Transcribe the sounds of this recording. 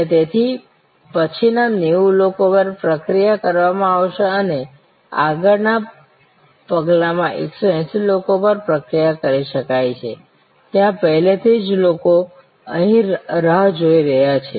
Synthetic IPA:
et̪et̪ʰi | pət͡ʃʰinaneʋulokopəɾpɾəkɾijakəɾʋamãaʋʃeəne | a̰ɡəɾna | pəɡlamãʔḛksoɛ̃silokopəɾpɾəkɾijakəɾiʃəkajt͡ʃʰe | t̪jãpəɦlet̪ʰid͡ʒloko | əɦĩɾəɦd͡ʒoiɾəɦjat͡ʃʰe

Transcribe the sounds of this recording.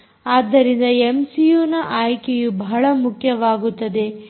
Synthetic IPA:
aːd̪ːɐɾind̪ɐemsijuːnɐʔaːjkejubɐɦɐɭɐmukʰjɐʋaːɡut̪ːɐd̪e̞

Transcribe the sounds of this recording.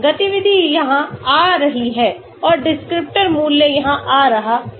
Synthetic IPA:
ɡɐt̪iʋɪd̪ʱijɐɦãaːɾɐɦiɦɛː | ɔːɾɖɪskɾɪp̚ʈəɾmuːlːejɐɦãʔaːɾɐɦaː

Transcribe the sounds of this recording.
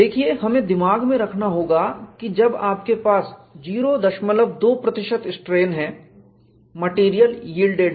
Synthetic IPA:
d̪eːkʰieɦɐmẽd̪ɪmaːɡmẽɾɐkʰnaɦoːɡakid͡ʒɐbaːpkepaːsd͡ʒiːɾod̪ɐʃmələbd̪oːpɾɐt̪ɪʃət̪ɪsʈɾeːnɦɛ̃ | mɐʈiːɾijəljiːlɖeːɖ

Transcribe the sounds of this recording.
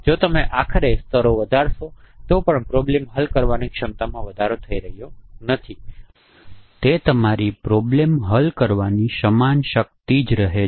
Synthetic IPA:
d͡ʒot̪əmeʔakʰəɾest̪ʰəɾoʋəd̪ʱaɾʃot̪opəɳpɾɔblemɦəlkəɾʋanikʃəmt̪amãʋəd̪ʱaɾot̪ʰəiɾəɦjonət̪ʰi | t̪et̪əmaɾipɾɔblemɦəlkəɾʋaniʃəmanʃək̚t̪id͡ʒɾəɦe

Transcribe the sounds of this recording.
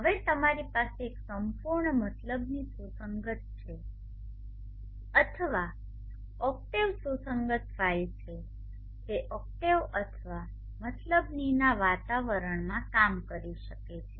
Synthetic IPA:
ɦəʋet̪əmaɾipaseːksəmpuɾɳəmət̪ləbnisusəŋɡət̪̚t͡ʃʰe | ət̪ʰəʋa | ɔk̚ʈeʋsusəŋɡət̪ʰʋajt͡ʃʰe | t̪eʔɔk̚ʈeʋət̪ʰəʋa | mət̪ləbninaʋat̪aʋəɾəɳmãkamkəɾiʃəket͡ʃʰe

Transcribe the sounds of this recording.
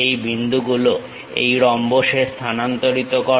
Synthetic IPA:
ejbʱind̪ʱuɡulo | ḛjɾɔmboʃeɾst̪ʰanant̪oɾit̪okɔ

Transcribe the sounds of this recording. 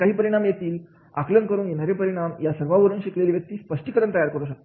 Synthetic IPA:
kaɦiːpəɾiɽ̃amjet̪iːl | a̰klənkəɾuːnjenaɾepəɾiɽ̃amjasəɾʋaʋəɾuːnɕikleliːʋjək̚t̪iːspəʂʈikəɾəɳt̪əjaɾkəɾũɕakt̪e̥

